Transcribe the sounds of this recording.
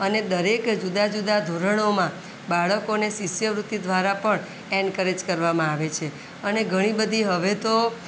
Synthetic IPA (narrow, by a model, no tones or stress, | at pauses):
əned̪əɾekd͡ʒud̪ad͡ʒud̪ad̪ʱoɾəɳ̃omã | baɭəkonesisjəʋɾut̪ːid̪ʱʋaɾapəɳ | ɛɳkəɾed͡ʒkəɾʋamãaʋet͡ʃʰe | əneɡʱəɽ̃ĩbəd̪ʱiɦəʋet̪o